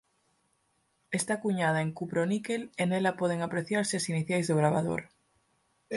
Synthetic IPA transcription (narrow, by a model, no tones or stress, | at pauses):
est̪akuɲaðaeŋkupɾonikelenelapoð̞eŋapɾeθjaɾsesiniθjajzðoɣ̞ɾaβ̞a̰ðo̰ɾ